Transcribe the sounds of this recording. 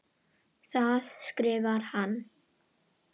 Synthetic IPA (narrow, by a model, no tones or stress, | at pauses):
θaðskɾɪːvaɾ̥han